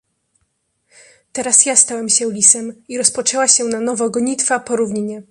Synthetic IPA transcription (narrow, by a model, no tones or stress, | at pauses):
t̪ɛɾasjast̪awɛmɕɛwlʲisɛmiɾɔspɔt͡ʂɛwaɕɛnanɔvɔɡɔɲit̪fapɔɾuvɲiɲɛ